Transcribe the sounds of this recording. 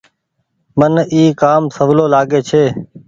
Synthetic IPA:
məniːkaːmsəʋloːlaːɠeːt͡ʃʰeː

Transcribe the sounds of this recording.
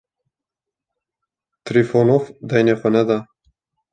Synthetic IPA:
t̪ɾifonofd̪ɑjnexʷɛnɛd̪ɑ

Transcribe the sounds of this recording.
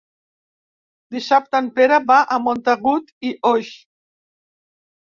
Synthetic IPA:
d̪iʃap̚t̪anpeɾabaʔamont̪aɣut̪iʔoʃ

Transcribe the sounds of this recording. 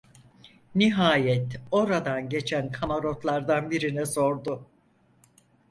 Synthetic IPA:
niɦaːjɛt̪o̞ɾad̪anɟe̞t͡ʃʰænkʰamaɾo̞t̪lˠaɾd̪anbiɾinɛso̞ɾd̪ʊ

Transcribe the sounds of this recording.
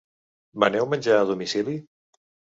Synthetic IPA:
mənɛwmənʲd͡ʒaːðumisili

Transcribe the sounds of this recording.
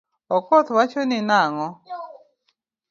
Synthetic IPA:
ɔkɔt̪wat͡ʃonɪnaŋɔ

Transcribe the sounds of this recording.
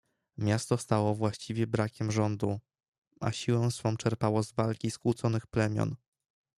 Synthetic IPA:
mʲjast̪ɔst̪awɔvwaɕt͡ɕivʲjɛbɾakʲɛmʐɔnd̪u | ʔa̰ɕiwɛ̃w̃sfɔ̃w̃t͡ʂɛɾpawɔzvalkʲiskwut̪sɔnɘxplɛmʲjɔ̰n

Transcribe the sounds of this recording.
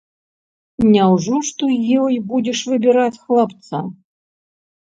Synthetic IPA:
nʲawʐɔʂt̪ɔjɔjbud͡zʲɛʂvɨbʲiɾat͡sʲxlˠapt̪sa

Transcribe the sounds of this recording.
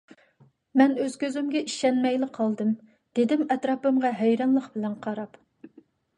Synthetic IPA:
mɛnøz̥kʲʰøzymɡʲɛʔiʃɛnmɛjlɪqʰːɑlˠd̪ɨm | d̪̥ed̪ɪmɛt̪ɾɑːpɨmʁɑɦɛjɾɑnlˠəχbɪlɛnqʰɑɾɑp

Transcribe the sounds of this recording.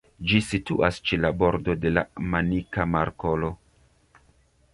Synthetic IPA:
d͡ʒisituʔast͡ʃelabo̞ɾdo̞de̞la̰manikamaɾkolo̞

